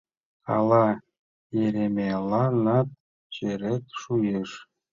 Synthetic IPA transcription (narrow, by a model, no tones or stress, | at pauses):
kɑ̰lɑ | jeɾemelɑnɑt̪̚ | t͡ɕeɾet̪ʃujeʃ